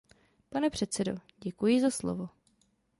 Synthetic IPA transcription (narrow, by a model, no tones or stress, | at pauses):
panɛpr̝̥ɛt̪t͡sɛdo̞̰ɟɛkujɪzaslo̰vo̞